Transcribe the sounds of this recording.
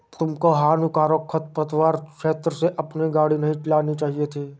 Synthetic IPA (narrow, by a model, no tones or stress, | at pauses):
t̪ʊmkoɦaːnukaːɾokʰːət̪̚pɾət̪ʋaːɾʃeːt̪ɾəseʔɐpniɡaːɽinɐɦĩʈɪlaːnit͡ʃaːɦiet̪ʰiː